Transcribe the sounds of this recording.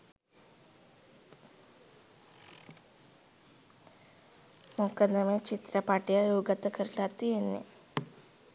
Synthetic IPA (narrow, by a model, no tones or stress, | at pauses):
mokɐnɐmet͡ʃit̪ɾɐpaːʈːijɐɾuːɡɐt̪ːɐkɐɾlat̪ːienːḛ